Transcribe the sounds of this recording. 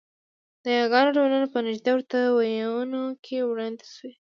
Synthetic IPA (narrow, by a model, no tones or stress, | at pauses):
d̪əjaɣɑnoɖawlanopənɪʒd̪awəɾt̪awajawənokʰewɽɑnd̪e̥swe